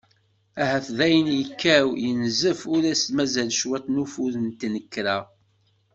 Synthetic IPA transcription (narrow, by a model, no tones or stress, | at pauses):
æhæθðæjənjəkːæwjənzəfʊɾæst̪mæzælʃwæt̪ˤnufuðənt̪ːnəkːɾæ